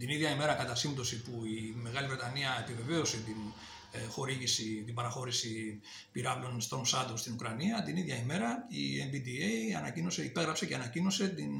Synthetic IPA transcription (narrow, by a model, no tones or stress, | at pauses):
t̪iniðʝɐime̞ɾɐkɐt̪ɐsind̪o̞sipuime̞ɣɐlivɾe̞t̪ɐniɐe̞pive̞ve̞o̞se̞t̪in | xo̞ɾiʝisit̪imbɐɾɐxo̞ɾisi | piɾɐvlo̞nst̪ɾo̞msɐd̪ost̪inukɾɐniɐt̪iniðʝɐime̞ɾɐḭenvid̪ieiɐ̰nɐcino̞se̞ipe̞ɣɾɐpse̞ceɐnɐcino̞se̞t̪in